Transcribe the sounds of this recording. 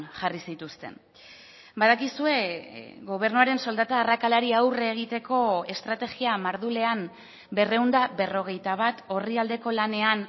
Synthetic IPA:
ʝarisit̪ust̪e̞̰n | baðakisue̞ɣo̞β̞e̞ɾnuaɾe̞nso̞ld̪at̪aːrakalaɾiawreːɣ̞it̪e̞ko̞e̞st̪ɾat̪e̞ɣiamaɾðule̞am | be̞re̞und̪aβe̞ro̞ɣ̞e̞jt̪aβ̞at̪o̞riald̪e̞ko̞lane̞an

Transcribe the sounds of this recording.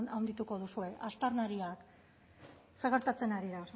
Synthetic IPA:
nawnd̪it̪uko̞ð̞usue̞ʔast̪arnaɾiak | seɣeɾt̪at͡se̞naɾiða

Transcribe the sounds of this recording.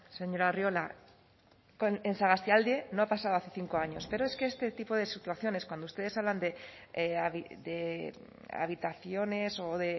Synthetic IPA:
seɲo̞ɾarjo̞la | konensaɣast̪jald̪je̞no̞apasaðoaθe̞θiŋko̞aɲo̞spe̞ɾo̞eskeest̪e̞t̪ipo̞ðe̞sit̪uaθjo̞ne̞skwand̪ust̪eðesaβland̪e̞ | aβid̪e | a̰β̞it̪aθjo̞ne̞soðe̞

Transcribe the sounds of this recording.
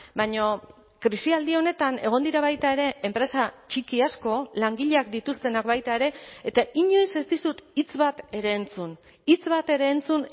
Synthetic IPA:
baɲo | kɾisiald̪io̞ne̞t̪ane̞ɣ̞o̞nd̪iɾaβajt̪aeɾe̞ʔempɾe̞sat͡ʃikiasko̞laŋɡiʎeak̚d̪it̪ust̪e̞nakbajt̪ae̞ɾe̞ːt̪aʔiɲo̞jse̞zt̪isut̪it͡sβat̪e̞ɾe̞ːnt͡sun | it͡sβat̪e̞ɾe̞ːnt͡sun

